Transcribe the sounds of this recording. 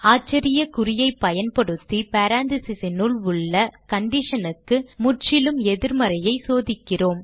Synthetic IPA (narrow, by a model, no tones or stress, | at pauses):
aːt͡ʃːɐɾɪjɐkʊrɪjɐɪpːɐjɐnpɐɽɯt̪ːipaːɾaːnd̪ɪsɪsɪnʊɭʊɭːɐkɐɳɖɪʂɐnɯkːɯmʊʈt͡ʃɪlɯmɛðɪɾmɐɾɐjɐɪsoːðɪkːɪroːm